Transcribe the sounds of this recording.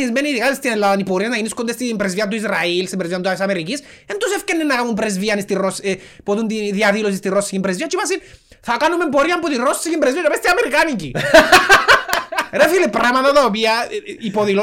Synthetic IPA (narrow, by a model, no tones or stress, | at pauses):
ismeniðiɣalest̪enelaðanipoɾijanainiskond̪est̪iimpɾezviant̪̬uizrailsempɾezviant̪uaesamerikis | ent̪onsefkenenaɣamumpɾezβianest̪irose | poðund̪iðiaðilos̬ist̪irosiimpɾezβiat͡ʃimas̬in | θakanomemp̬oɾiampoðirossiɣimpɾezβiaβest̪iameɾikanik̬i | ɾefilepɾamaðaðoβiaipoðilo